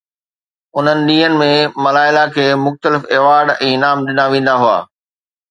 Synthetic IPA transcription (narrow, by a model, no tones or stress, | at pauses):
ʊn̤ənɪ̆ɗĩːɦənɪ̆mẽmɐlaːɪlakʰeːmʊxt̪əlɪfeːʋaːɾɖɛ̃ːnaːmɗɪnaʋẽːn̆d̪aɦua̰ː